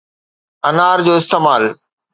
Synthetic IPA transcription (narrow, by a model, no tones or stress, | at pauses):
ɐnaːɾd͡ʑoːɪst̪eːmaːl